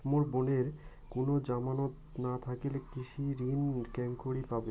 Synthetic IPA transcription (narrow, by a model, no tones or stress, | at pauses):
moɾboneɾ | konod͡ʑamanot̪nat̪ʰakelekiʃiɾinkɛŋkoɽipabe